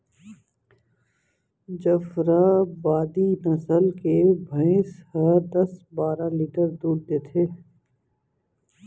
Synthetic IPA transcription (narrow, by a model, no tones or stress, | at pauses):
d͡ʒəfɾabaːd̪inɐsəlkebʱə̃ɪ̃shəd̪ɐsbaːɾaliːʈəɾd̪uːɾd̪et̪ʰeː